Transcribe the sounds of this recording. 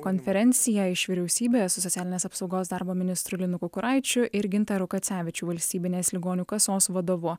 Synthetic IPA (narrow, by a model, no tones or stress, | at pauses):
kɔnʲfʲɛɾʲɛnʲt̪sʲɪjɛɪʃʋʲiɾʲɛʊsʲiːbʲeːsʊsɔt̪sʲæːlʲɪnʲeːsɐpsɒʊɡoːsd̪ɑːˑɾboːmʲɪnʲɪst̪ɾʊlʲɪnʊkʊkʊɾɐˑɪt͡ʃʲʊʔɪɾɡʲɪnt̪ɑɾʊkɐt̪sʲæːʋʲɪt͡ʃʲuːʋɐlʲsʲt̪ʲiːbʲɪnʲeːslʲɪɡoːnʲuːkɐsoːsʋɐd̪oːʋʊ